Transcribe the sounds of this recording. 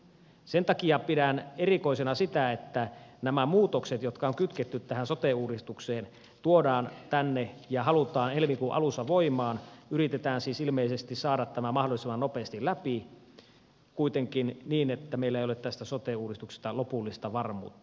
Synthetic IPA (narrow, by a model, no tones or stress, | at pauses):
sent̪ɑkiɑpidænerikoisenɑsit̪æet̪ːænæmæmuːt̪okset̪jot̪kɑoŋkyt̪ket̪ːyt̪t̪æhænsot̪euːdist̪ukseːn | t̪uodɑːnt̪ænːejɑɦɑlut̪ɑːnelmikuʔɑ̰lusːɑʋoimɑːnyrit̪et̪æːnsiːsilmeisest̪issɑːɾɑt̪ːæmæmɑhdolisemːɑnopeːst̪ilæpi | kuit̪eŋkinniːnet̪ːæmeilːæeijolet̪t̪æst̪æsot̪euːdist̪ukse̥st̪ɑlopulːist̪ɑʋɑrmṵːt̪ːɑ̥